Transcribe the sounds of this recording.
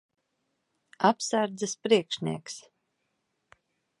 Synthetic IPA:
apsæɾd̪zɛspɾiɛkʃnʲiɛks

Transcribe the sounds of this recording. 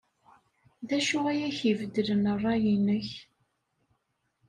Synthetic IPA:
ðæʃuæjæçivəd̪ələnərˤːɑjinəç

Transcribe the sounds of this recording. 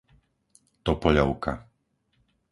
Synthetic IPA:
t̪ɔpɔʎɔʊka̰

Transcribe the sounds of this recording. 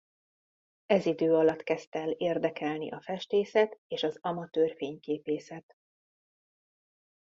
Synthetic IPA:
ɛzid̪øːɒlɒt̪kɛst̪ɛleːrd̪ɛkɛlnḭʔɒfɛʃt̪eːsɛt̪eːʃɒzɒmɒt̪øːrfeːɲkeːpeːsɛt̪

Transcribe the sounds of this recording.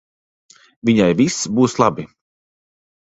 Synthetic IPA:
vʲiɲajvisbuːslˠabi

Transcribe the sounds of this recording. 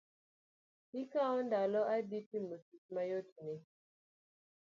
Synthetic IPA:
ikaɔndalɔʔabitimosismajotne

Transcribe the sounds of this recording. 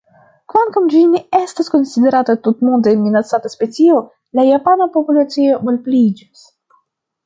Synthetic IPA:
kvaŋkamd͡ʒinee̞stasko̞nside̞ɾatat̪utmondeenminat͡sataspe̞t͡sio̞ | lajapanapo̞pulat͡sio̞bolplid͡ʒis

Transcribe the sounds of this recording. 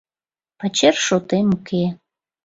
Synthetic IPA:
pat͡ɕerʃot̪emukʰe

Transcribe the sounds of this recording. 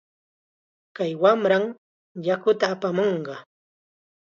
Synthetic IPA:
kajwamɾaŋ | jakʊt̪aːpamoɴɢɑ

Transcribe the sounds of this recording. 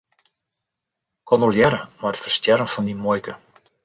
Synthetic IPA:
kʰɔnolˠjɛɾəmatfərstjɛɾəmfɔndimɔjkə

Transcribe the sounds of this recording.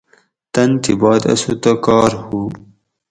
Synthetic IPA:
t̪ɐnt̪ibɑːd̪ɐ̰sut̪ɐkɑːɾhu

